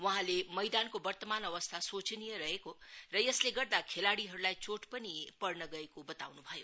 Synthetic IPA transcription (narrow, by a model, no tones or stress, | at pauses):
wʌɦãlemʌjd̪ankobʌrt̪ʌmanʌβʌst̪ʰasot͡snijʌɾʌɦekorʌjʌsleɡʌrd̪akʰelaɽiɦʌɾulajt͡soʈpʌnipʌrnʌɡʌekobʌt̪awnubʱʌjo